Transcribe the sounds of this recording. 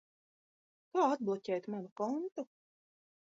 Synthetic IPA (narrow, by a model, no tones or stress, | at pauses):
kaːad̪̚blˠɔcʲɛjt̪manukɔnt̪u